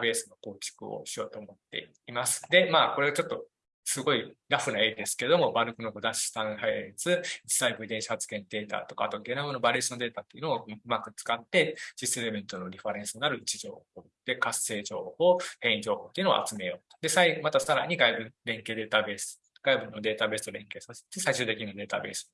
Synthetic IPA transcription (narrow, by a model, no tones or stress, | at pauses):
be̞ːsɨnoko̞ːt͡ɕi̥kɯ̟̰o̰ɕijo̞ːt̪o̞ːmo̞t̪ːe̞̰ | imasɨ̥d̪e̞maːko̞ɾe̞at͡ɕo̞t̪ːo̞ | sɨɡo̞iɾaɸɯ̟nae̞ːd̪e̞sɨ̥ke̞d̪o̞mo̞baɾɯ̟kɯ̟noɡod̪aɕi̥st̪ãhaiɾet͡sɨi̥saibɯ̟id̪ẽɕi̥hat͡sɨ̥ɡẽ̞nd̪e̞ːt̪a̰t̪o̞ka̰ːt̪o̞aɡe̞nabɯnobaɾesiond̪e̞ːt̪aːt̪ːoiɯ̟noːɯ̟makɯ̟t͡sɨ̥kat̪ːe̞ɕiseɾemẽ̞nt̪o̞no̞ɾʲiɸaɾẽ̞ɰ̃sɨnaɾɯ̟it͡ɕiʑo̞̰ːho̞ːd̪̥e̞kasːe̞ːd͡ʑo̞ːho̞ːhẽ̞ɰĩd͡ʑo̞ːho̞ːt̪ːeiɯ̟no̰a̰t͡sɨme̞jo̞ːt̪o̥d̪e̞saimat̪asaɾa̰ɲ̟iɡaibɯ̟̃ɾẽ̞ŋke̞ːd̪e̞ːt̪abe̞ːs | ɡ̥aibɯ̟̃nːo̞d̪e̞ːt̪abe̞sɨ̥t̪o̞ɾẽ̞ŋke̞ːsase̥t̪ːesaiɕɨ̟ːt̪ek̬ʲiɲinod̪e̞ːt̪a̰be̞̰ːsɨ̥